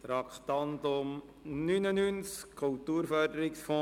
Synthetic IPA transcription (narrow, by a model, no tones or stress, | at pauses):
t̪ɾɑkχt̪ɑnt̪ʊm | nynənynskʰːɔlt̪uːɾfœɾd̪əɾɪksfɔ̃